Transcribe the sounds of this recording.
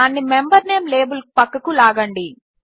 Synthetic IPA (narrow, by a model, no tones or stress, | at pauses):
aːnːimembɐɾne̞ːmle̞ːbulpɐkːɐkulaːɡɐɳɖi